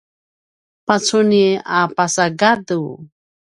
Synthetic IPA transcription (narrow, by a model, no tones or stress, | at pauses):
pat͡suniapasaɡadu